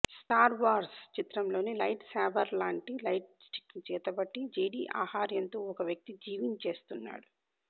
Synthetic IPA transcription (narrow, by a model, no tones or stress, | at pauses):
sʈaːɾʋaːɾst͡ʃit̪ɾɐmlo̞ːnilɐjʈsaːbɐɾlaːɳʈilɐjʈsʈi̥kt͡ʃɛːt̪ɐbɐʈːid͡ʒeːɖḭːʔa̰ːhaːɾjɐnt̪oːɔkɐʋjɐk̚t̪id͡ʒiːʋiɲt͡ʃe̞ːst̪unːa̰ːɽu